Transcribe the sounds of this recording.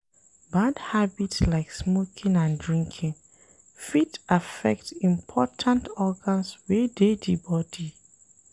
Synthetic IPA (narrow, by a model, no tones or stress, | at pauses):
badhabitslaɪksmokʰĩŋãndɹĩŋkʰĩŋ | fitafɛ̰k̚tĩmpʰɔtʰãntɔɡãnswededibɔdi